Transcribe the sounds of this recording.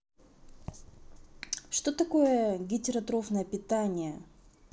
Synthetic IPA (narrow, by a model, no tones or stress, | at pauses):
ʂt̪ot̪ɐko̞jəɡʲɪtʲɪɾɐt̪ɾofnəjəpʲɪt̪anʲɪjə